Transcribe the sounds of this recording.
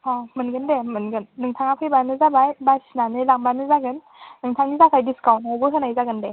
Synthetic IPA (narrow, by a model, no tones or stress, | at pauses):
pʰamɯnɡɯndemɯnɡɯnːɯŋtʰaŋapʰɯjbanɯzabajbasinanɯlaŋbanɯzaɡɯnː | ɯŋtʰaŋnizakʰajdiskawnaobɯɦɯnajzaɡɯnde